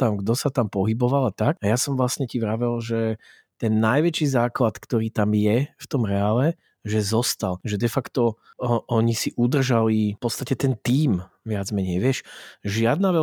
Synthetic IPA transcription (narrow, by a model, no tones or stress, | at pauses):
t̪amɡd̪ɔsat̪ampɔɦibɔʋalat̪ak̚ajasɔmʋlasɲɛciʋɾaʋɛlʒɛ | t̪ɛnːajʋɛt͡ʃiːzaːklat̪kt̪ɔɾiːt̪amjɛft̪ɔmɾɛaːlɛ | ʒɛzɔst̪alʒɛd̪ɛfakt̪ɔ | ʔɔɲisiʔud̪r̩ʒalipɔt̪st̪acɛt̪ɛnt̪iːm | ʋɪad͡zmɛɲɛjʋɪɛʃʒɪad̪naʋɛ